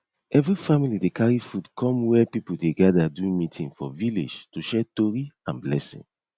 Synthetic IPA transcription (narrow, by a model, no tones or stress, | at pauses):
ɛvɹifamilidekʰaɹifudkʰɔ̃mwɛpipuldeɡadadumitʰĩŋfɔvilḭd͡ʒtuʃɛtoɹiã̰nblɛsḭ̃ŋ